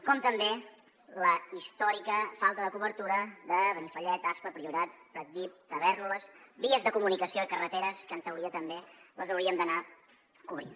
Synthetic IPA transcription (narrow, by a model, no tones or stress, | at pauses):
kɔmt̪əmbe | ləist̪ɔɾikəfalˠt̪əðəkuβəɾt̪uɾəðəβənifəʎɛt̪aspəpɾiuɾat̪̚pɾət̪̚d̪ip̚t̪əβɛɾləsbiəzðəkumunikəsioikərət̪eɾəskənt̪əwɾiət̪əmbeləzəwɾiəmd̪əna | kuβɾḭn